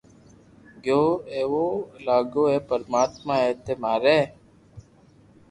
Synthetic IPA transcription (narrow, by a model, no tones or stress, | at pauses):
ɡjoːeːʋoːlaːɡoːeːpəɾmaːt̪mãːeːt̪eːmaːɾeː